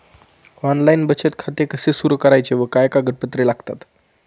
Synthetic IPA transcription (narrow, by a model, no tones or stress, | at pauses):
ɔnlainbət͡ɕet̪kʰat̪ekəsesuɾukəɾajt͡ɕeʋəkajkaɡəʈ̚pət̪ɾelaɡt̪a̰t̪